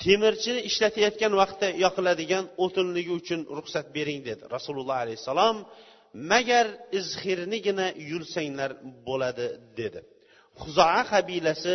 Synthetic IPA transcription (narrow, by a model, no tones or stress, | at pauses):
t̪ʰemɪɾt͡ʃʰɪnɪɪʃlat̪ʰajɒt̪̚kʲanwɑqt̪ʰːajɒqɨlad̪ɪɡʲanot̪ʰɪnlɪɡʲɪʊt͡ʃʰʊnɾʊχsat̪̚be̞ɾɪŋd̪e̞d̪ɪ̰ɾɑsulˠʊlˠːɑhalɛjhsːɑlˠɒmː | æɡʲaɾɪzχɪɾnɪɡʲɪnajʊlˠsaŋlaɾbolˠad̪ɪd̪e̞d̪ɪ | χʊzɑɑqɑbilasɪ